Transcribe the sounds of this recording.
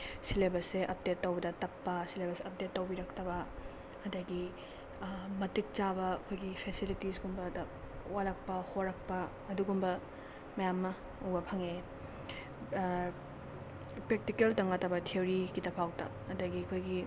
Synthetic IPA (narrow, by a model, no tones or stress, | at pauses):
silebɐseʔɐp̚detːɐwbɐdɐtɐpːɐsilebɐseɐp̚detːɐwbiɾɐktɐbɐ | ɐdɐɡi | mɐtik̚t͡ʃabɐːkʰojɡipʰesilitisɡumbɐdɐ | walɐk̚pɐhoɾɐk̚pɐː | duɡumbɐ | mɐjamːɐ | uŋbɐpʰɐŋe | pɾek̚tikeltɐŋatɐbɐtʰeoɾikitɐpʰawtɐ̰ | ɐdɐɡiɐkʰojɡi